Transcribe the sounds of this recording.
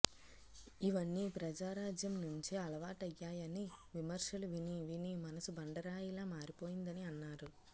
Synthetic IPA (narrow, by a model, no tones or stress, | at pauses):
iʋɐnːiːpɾɐd͡ʒaːɾaːd͡ʒjɐmnuɲt͡ʃiɐlɐʋaːʈɐjːaːjɐniʋimɐɾʂɐluʋiniʋinimɐnɐsubɐɳɖɐɾaːjilaːmaːɾipo̞ːjind̪ɐniɐnːaːɾu